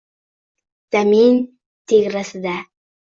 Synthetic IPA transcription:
z̥amin | t̪ʰeɡɾasɪd̪a

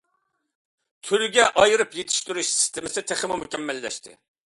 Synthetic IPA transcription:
t̪ʰølyɡʲɛʔɑjɨɾɨpjet̪ʰɪ̥ʃt̪yɾyʃsi̥st̪ʰɪmɪsɪt̪ʰeχɪmumukʲɛmːɛlːɛ̰ʃt̪ʰɪ̰

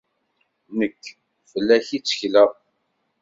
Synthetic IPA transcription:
nəkː | fəlːæçit͡sːə̥çlə

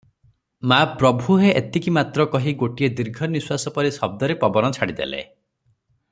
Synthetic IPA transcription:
mapɾɔbʱuɦeʔet̪ikimat̪ɾɔkɔɦiɡoʈied̪iɾɡʱɔniswasɔpɔɾisɔb̚d̪ɔɾepɔbɔnɔt͡ʃʰaɽid̪ḛlḛ

